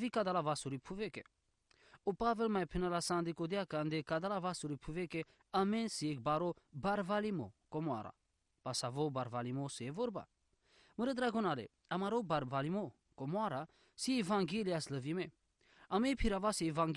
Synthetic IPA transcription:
vikad̪alavasuɾipʰuvekḛ | opavelmajpʰinalasãnd̪ikod̪jakand̪ekad̪alavasuɾipʰuveke | ɐmẽsiek̚baɾobaɾvalimo̰komwa̰ɾa̰ | pasavobaɾvalimosevoɾba̰ | məɾed̪ɾaɡonalḛ | ɐmaɾobaɾvalimo | komwaɾa | sievãŋɡeliasləvime | ɐmepʰiɾavasiːvãŋɡ

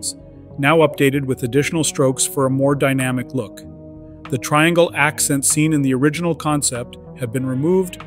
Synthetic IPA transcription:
s | naʊʌp̚d̥eɪɾɨd̚wɨðɨdɪʃn̩l̩ˠstɹ̥oʊksfə˞əmɔɹdaɪnæmɨklʊk | ðɨtʰɹ̥aɪɛ̃ŋɡl̩ˠʔæksɛ̃ntsĩnɨ̃nðiə˞ɪd͡ʒɨn̩l̩ˠkʰɑ̃nsɛp̚t̚ | hɨvbɨ̃nɹɨmuvd

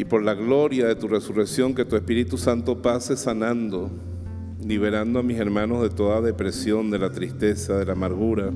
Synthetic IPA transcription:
ipo̞ɾlaɣlo̞ɾjaðe̞t̪ure̞sure̞ksjo̞ŋke̞t̪ue̞spiɾit̪usant̪o̞pase̞sanãnd̪o̞ | liβ̞e̞ɾand̪oamise̞ɾmãno̞zðe̞t̪o̞ðaðe̞pɾe̞sjo̞nd̪e̞lat̪ɾist̪e̞saðe̞laːmaɾɣuɾa

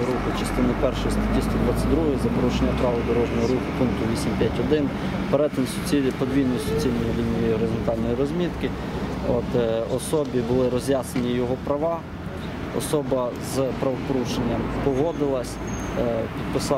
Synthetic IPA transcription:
ɾuxʊt͡ʃɪst̪ɪnɪpɛrʃɔjst̪ɐt̪ʲisʲt̪ʊpɾɔt̪sɛd̪ɾuɦɔjizɐpɔɾuʃenʲːɐpɾɑʋɪd̪ɔɾɔʒnɔɦɔɾuxʊpunk̚t̪ʊʋʲisʲimpʲjatʲɦɔd̪ɪn | peɾɛt̪ɪmsʲ | ipɔd̪ʲʋʲijnɔjisɔt͡sʲilʲnɔjiʋʲilʲnɔjijiɔɾezɔnt̪ɑlʲnɔjiɾɔzʲmʲit̪kɪ | ɔt̪ɔsɔbʲibʊlˠɪɾɔzʲjasenʲijɔɦɔpɾɐʋɑ | ɔ̰sɔbɐzpɾɐʋɔpɔɾuʃenʲːɐmpɔɦɔd̪ɪlˠɐsʲ | pʲid̪̚pɪsɑ

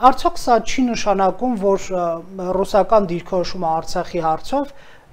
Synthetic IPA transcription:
ɑɾt͡sʰjɔkʰsɑt͡ʃʰinəʃɑnɑkumvɔɾ | rusɑkɑnd̪iɾkʰɔɾɔʃuməɑɾt͡sʰɑχihɑɾt͡sʰɔv

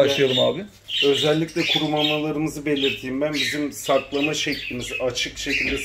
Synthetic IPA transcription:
aʃˠajaɾɯmaːbiɪ | ø̞zɛlʲːicʲlʲɛkʰuɾumanlˠalˠaɾɯmɯzɯbe̞lʲiɾt̪ʰiːmbænbizimsaɾklˠamaʃɛclʲimizat͡ʃʰɯkʃe̞cʰilʲd̪ɛ

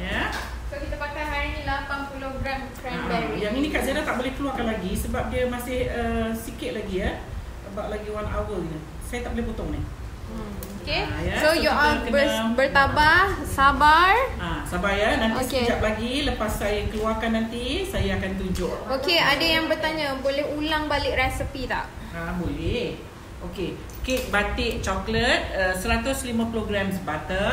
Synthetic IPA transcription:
ja | sokit̪apakaɦaɾinĩlapanpulʊhɡɾamskambɛɾijaŋinĩkaʔzaɾat̪aʔbolɛhkəluarkanlaɡisəbap̚diəmasɪhəsikɪʔ̪̚laɡiə | əbaʔlaɡiwana̰wəlini | sajat̪aʔ̚bolɛhput̪ʊŋnɪh | okejasojuakəbbərt̪abahsabarasabaɾjananoked͡ʒap̚laɡiləpasːajakəluarkanːant̪isajaːkant̪ud͡ʒʊʔokeadajaŋbərt̪aɲãbolɛhulaŋbalɪʔrɛsəpit̪a̰ʔ | abolɛh | ʔoke | kek̚bat̪ɪʔt͡ʃɔklət̪̚əsəɾat̪ʊslimãploɡɾamsbat̪ə

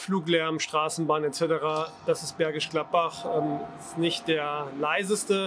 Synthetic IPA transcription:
fluːklɛɐm̩ʃtʁ̥aːsn̩baːnɛtt͡sɛtəʁaːd̥asɪst̚b̥ɛɐɡɪʃɡ̥lat̚b̥aχɛːmɪstnɪçt̚d̥eːɐlaɪzəstə

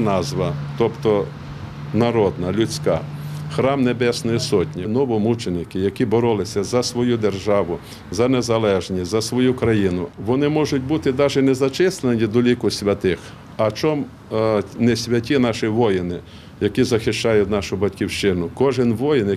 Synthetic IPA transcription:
nɑzʋɐt̪ɔpt̪ɔ | nɐɾɔd̪nɐlʲʊt͡sʲkɑ̰xɾɑmnebɛsnɔjisɔtʲnʲinɔʋɔmut͡ʃenɪkɪjɐkʲibɔɾɔlˠɪsʲɐzɐsʋɔjud̪erʒɑʋʊ | zɐnezɐlˠɛʒnʲizɐsʋɔjukɾɐjinʊʋɔnɪmɔʒʊtʲbut̪ɪd̪ɑʒɛnezɐt͡ʃɪslˠenʲid̪ɔlʲikʊsʲʋʲɐt̪ɪx | ɐt͡ʃɔm | nɛsʲʋʲɐtʲinɑʃɪʋɔjɪnɪ | jɐkizɐxɪʃt͡ʃɑjʊtʲnɑʃʊbɐtʲkʲiwʃt͡ʃɪnʊkɔʒɪnʋɔjɪn

